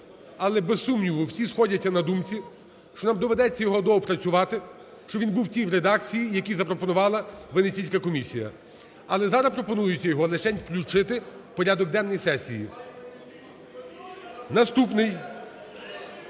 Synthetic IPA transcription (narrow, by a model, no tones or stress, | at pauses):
ɐlˠɛbesːumnʲiʋʊwsʲisxɔdʲɐt͡sʲːɐnɐd̪umt͡sʲi | ʃt͡ʃɔnɑmd̪ɔʋed̪ɛt͡sʲːɐjɔɦɔd̪ɔɦɔpɾɐt͡sʲʊʋɑt̪ɪ | ʃt͡ʃɔʋʲinbuwtʲijwɾed̪ɑk̚t͡sʲijijɐkʲizɐpɾɔpɔnʊʋɑlˠɐʋenet͡sʲijsʲkɐkɔmʲisʲijɐ̰ | ɐlˠɛzɑɾɐpɾɔpɔnujʊt͡sʲːɐjɔɦɔlˠet͡ʃɛnʲklʲʊt͡ʃɪt̪ɪpɔɾʲad̪ɔɡ̚d̪ɛnːɔjsɛsʲiji | nɐst̪upnɪj